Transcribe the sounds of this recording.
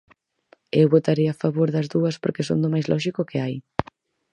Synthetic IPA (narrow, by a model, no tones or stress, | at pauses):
ewβot̪aɾeafaβoɾðɐzðuɐspoɾkesond̪ʊmajzlɔʃikʊkɪaj